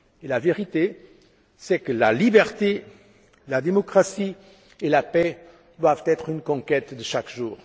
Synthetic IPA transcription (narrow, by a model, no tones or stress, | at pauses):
elaveʁit̪e | sɛkəlalibɛʁt̪e | lad̪emɔkχasi | elapɛ | d̪wavt̪ɛt̪χynkɔ̃kɛt̪d̪əʃakʒuːʁ